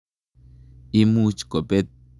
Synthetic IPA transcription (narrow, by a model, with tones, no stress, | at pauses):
i˦mu˦t͡ʃko˨be˦t̪̚